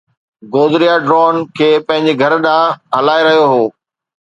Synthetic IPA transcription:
ɡoːzɾijaɖɾɔːnkʰeːpɐ̃ɦɪ̃ɲ̆d͡ʑeɡʱɐɾɗãːɦɐlaːeɾɐɦijoɦoː

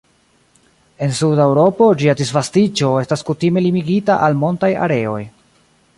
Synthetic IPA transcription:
e̞nsudawɾo̞po̞d͡ʒiadisvastit͡ʃo̞e̞staskutime̞limiɡitaʔalmo̞ntaja̰ɾe̞o̞̰j

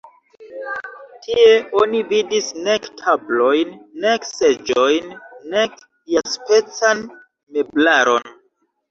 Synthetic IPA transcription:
tʰie̞o̞nividisnektʰablo̞jnːekse̞d͡ʒo̞jnːek | jaspe̞t͡san | me̞blaɾo̞n

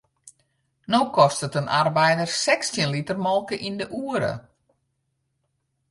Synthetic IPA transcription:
noːkɔstətənʔarbɛjdərsɛkstjənlitərmɔlˠkəʔindəʔuːəɾə̰

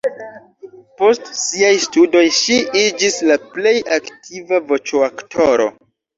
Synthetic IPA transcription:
po̞stsiajstudo̞jʃiʔid͡ʒislaple̞jʔaktʰivavo̞t͡ʃoaktʰo̞ɾo̞̰

